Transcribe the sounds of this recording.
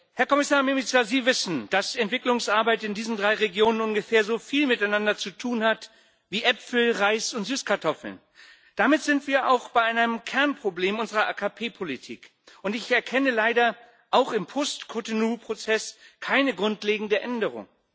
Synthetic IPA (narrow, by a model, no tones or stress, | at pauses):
hɛɐkʰɔmɪsaːɐmemɪt͡saziːvɪsn̩d̥asɛntv̥ɪklʊŋsʔaɐbaɪtɪndiːzn̩dʁaɪʁeɡjoːnənʊnɡəfɛːɐzoːfiːlmɪtaɪnandɐt͡sutʰuːnhat | viːʔɛpfl̩ʁaɪsʊntz̥yːskʰaɐtʰɔfl̩̰n | d̥amɪtz̥ɪntv̥iːɐʔa̰ʊxb̥aɪʔaɪnanəmkʰɛɐnpʁ̥obleːmʊnzəʁɐʔaːkʰapʰeːpʰolitʰḭːk | ʊntɪçɛɐkʰɛnəlaɪdɐ | ʔaʊxɪmpʰɔstkʰotonuːpʁ̥ot͡sɛskʰaɪnəɡʁʊntleːɡŋ̩dəʔɛndəʁ̞ʊ̰ŋ